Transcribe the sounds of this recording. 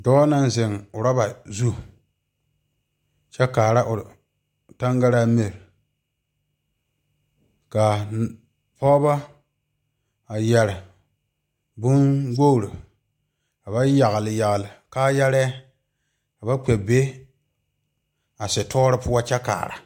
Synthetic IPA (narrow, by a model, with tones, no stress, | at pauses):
dɔː˦na˦n˦zɪ˨ŋʊ˨ɾa˦ba˨zu˦ | t͡ʃɛ˦kaː˨ɾa˦ʔʊ˨ | ta˦ŋɡa˦ɾa˦me˨ɾ | ka˨ | pɔ˦ba˦ | a˨jɛ˨ɾɪ˨ | bʊ˦nɡo˦˨ɾʊ˨ | ka˨ba˦ja˨ɣlɪ˨ja˨ɣlɪ˨kaː˦jɛ˦ɾɪ˦a˦ | ka˨ba˦k͡pɛ˨be˦ | a˨sɪ˨tʰɔː˦ɾɪ˦pʊ˦a˦t͡ʃɛ˦ka̰ː˨ɾa̰˨